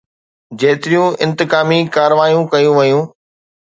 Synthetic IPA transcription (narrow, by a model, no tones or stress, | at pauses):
d͡ʑɐːt̪ɪɾijũɪ̃nt̪ɪkaːmikaːɾʋaːjũkɐjũʋɐjũː